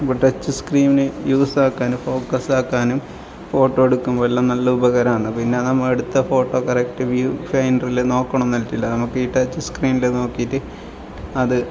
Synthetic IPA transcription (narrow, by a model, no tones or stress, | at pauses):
bɐʈːɐt͡ɕːɨskriːminɨjuːsaːkːaːnumfo̞ːkːɐsaːkːaːnum | fo̞ːʈːoːeɽukːumʋɐlːɐnɐlːɐubɐɣɐɾɐmaːɳɨpinːe̞nɐmːɐeɽut̪ːɐfo̞ːʈːo̞ːkɐrekʈɨʋjufɐjnrileno̞ːkːɐɳɐnːɐltːilːɐnɐmukːiʈːɐt͡ɕːɨskriːmileno̞ːkːijtːɨ | ɐðɨ